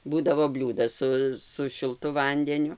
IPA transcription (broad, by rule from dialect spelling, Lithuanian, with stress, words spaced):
ˈbuːdɐʋoː ˈbʲlʲuːdɐs ˈsʊ sʊ ʃʲɪlˠˈtʊ ˈʋɐnʲdʲɛnʲʊ